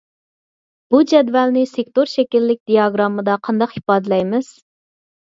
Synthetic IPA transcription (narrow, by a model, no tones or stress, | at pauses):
b̥ud͡ʒɛd̪vɛlnɪsek̚ʲt̪oɾʃɛkʲilːɪk̚ʲd̪ijɑɡɾɑmɨd̪ɑqʰɑnd̪ɑqhi̥pɑːd̪ɨlɛjmɪz̥